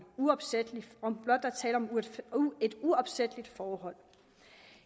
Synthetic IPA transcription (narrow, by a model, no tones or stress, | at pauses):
uɒ̽b̥sed̥liɒmb̥lɒ̽d̥̚ːɑɐt͡sʰɛːləɒ̽mue̝d̥uɒ̽b̥sed̥əlid̥fɒːhɒ̽l̰